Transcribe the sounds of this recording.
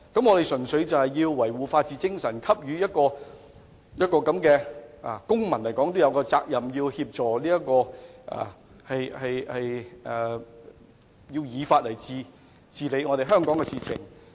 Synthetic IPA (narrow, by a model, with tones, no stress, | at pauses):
kɐ˨˥mŋɔː˨˧e˨jsɵ˨˩nsɵ˨˧˥ɥt͡sɐ˨whɐ˨jːiː˧wːɐ˨˩jwuː˨faː˧t̚t͡siː˨t͡sɪ˥ŋsɐ˨˩nkʰɐ˥p̚jyː˨˧jɐ˥t̚kɔː˧ | jɐ˥t̚kɔː˧kɐ˨˥mkɛː˧ʔaː˨˩kʊ˥ŋmɐ˨˩nlɐ˨˩jkɔː˨˥ŋt̪o˥wjɐ˨˧wkɔː˧t͡saː˧k̚jɐ˨˩mjiː˧whiː˧p̚t͡ʃɔː˨˩liː˥jɐ˥t̚kɔː˧ʔa̰ː˨˩ | hɐ˨jhɐ˨jhɐ˨jː | ji˧wjiː˨˧faː˧t̚lɐ˨˩jt͡siː˨˧ | t͡siː˨le˨˧˥ŋɔː˨˧ɾe˨jɦœː˥ŋkɔː˨˥ŋkɛː˧siː˨˩t͡sʰɪ̰˨˩ŋ